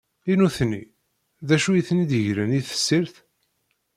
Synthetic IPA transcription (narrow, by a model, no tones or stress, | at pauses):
inuθni | ðæʃujθnid̪əʝɾəniθə̥sːiɾθ